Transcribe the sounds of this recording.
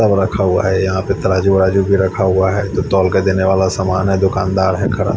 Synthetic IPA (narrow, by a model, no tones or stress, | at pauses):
abɾɐkʰaɦʊa̰ɦɛjɐɦãpɪt̪ɾaːd͡ʒuɾaːd͡ʒubʱiɾɐkʰaɦʊaɦɛt̪ot̪ɔːlkad̪eːneʋaːlasaːmaːnɦɛd̪ʊkaːnd̪aːɾɦɛkʰɐɽa̰ː